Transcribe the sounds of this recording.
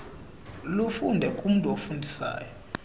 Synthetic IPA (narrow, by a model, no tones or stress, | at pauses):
lufundʱɛkʼum̩tʼuofundʱisa̰ːjɔ